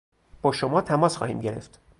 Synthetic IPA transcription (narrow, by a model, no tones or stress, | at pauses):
b̥ɒːʃomɒːt̪ʰæmɒːsxɒ̰ːhḭːmɟe̞ɾe̞̰ft̪